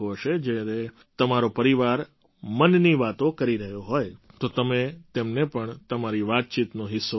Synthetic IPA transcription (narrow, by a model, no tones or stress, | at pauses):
oəʃed͡ʒeɾe | t̪əmaɾopəɾiʋaɾ | mənniʋat̪õkəɾiɾəɦjoɦojt̪ot̪əmet̪emnepəɳt̪əmaɾiʋat̪̚t͡ʃit̪noɦɪsːo